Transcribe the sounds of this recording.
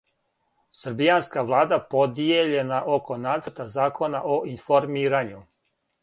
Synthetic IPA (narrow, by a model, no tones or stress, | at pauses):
sɾ̩bijanskaʋlˠaːd̪apo̞d̪ijeʎe̞naʔo̞ko̞naːt̪səɾt̪azaːkʰo̞naʔoʔinfo̞ɾmiːɾaɲu